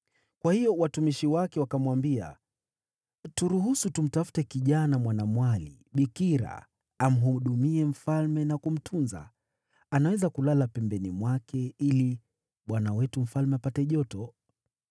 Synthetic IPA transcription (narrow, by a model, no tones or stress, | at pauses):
kwahijɔwatumiʃiwakɛwakamwambia̰ | tuɾuɦusutum̩tafu̥tɛkiʄanamwanamwalḭ | ɓikiɾa̰ː | m̩ɦuɗumiɛm̩falmɛnakum̩tʰunza̰ | anawɛzakulalapɛmbɛnimwakɛili | ɓwanawɛtum̩falmɛapatɛʄɔtɔ